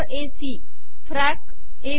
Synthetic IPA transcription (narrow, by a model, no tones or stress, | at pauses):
ɾesi | fʰɾak | e